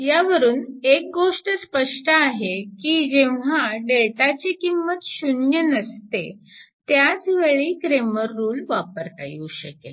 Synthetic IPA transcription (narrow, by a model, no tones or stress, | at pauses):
jaʋəɾuːnek̚ɡoʂʈəspəʂʈəaɦekiːd͡ʑeʋʋ̤aɖeɭʈat͡ɕikimːət̪ɕunjənəst̪et̪jat͡sʋeɭiːkɾeməɾːuːlʋapəɾt̪a̰jḭuɕəkḛ